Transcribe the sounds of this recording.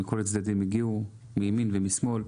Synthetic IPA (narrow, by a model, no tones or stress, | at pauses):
ikolet͡sd̪ad̪imiɡiu | meminvemismo̞l